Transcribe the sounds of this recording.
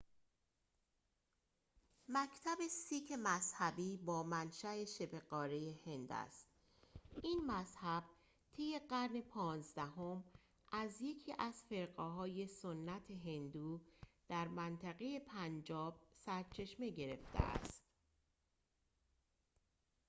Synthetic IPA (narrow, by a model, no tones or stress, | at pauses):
mæcʰt̪ʰæbe̞siːcʰemæzhæbiːbɒːmænʃæeʃe̞pʰeɡɒːɾejehe̞nd̪æ̰st̪ | ʔiːnmæzhæb̥̚ | t̪ʰe̞je̞ɢæɾne̞pʰɒːnzd̪æɦom | ʔæzje̞cʰiːʔæz̥fe̞ɾɢeɦɒːje̞sonːæt̪ʰe̞ɦe̞nd̪uːd̪̥æɾmænt̪ʰæɣe̞je̞pʰænd͡ʒɒːb̥̚sæɾt͡ʃʰe̞ʃme̞ɟe̞ɾe̞̰ft̪ʰḛʔæ̰st̪